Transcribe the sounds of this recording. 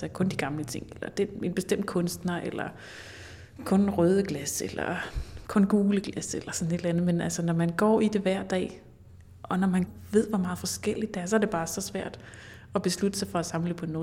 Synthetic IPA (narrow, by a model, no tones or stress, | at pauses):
sɐkʰɔ̽nd̥iɡ̥ɑ̈mlət͡sʰe̝ŋ̰elɐd̥ene̝nb̥e̝sd̥em̰d̥̚kʰɔ̽nsd̥nɐʔelɐ̰ | kʰɔ̽nʁœːð̞ˠəɡ̥læselɐ̰kʰɔ̽nɡ̥uːləɡ̥læselɐsɒ̽n̩e̝d̥lænð̩ˠmenælsɐnɒmænɡ̥ɒ̰ːid̥e̝ʋæɐ̰d̥ɛ̰ː | ʔɒ̽nɒmænʋe̝ð̞̰ˠʋɒmɑ̈ːð̩ˠfɒ̽sɡ̥el̰id̥̚d̥eæɐs̬ɒ̽æɐde̝b̥ɑ̈ːsɒ̽sʋæɐ̰d̥ | ɒb̥e̝slud̥əsɑ̈ɪfɒ̽æsɑ̈mləpʰɒ̽enːo